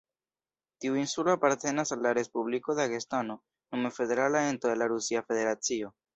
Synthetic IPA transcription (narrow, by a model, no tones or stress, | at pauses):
tiuinsulo̞apaɾte̞nasalːaɾe̞spubliko̞daɡestano̞ | nomefe̞de̞ɾalae̞ntodelaɾusiafe̞de̞ɾat͡sio̞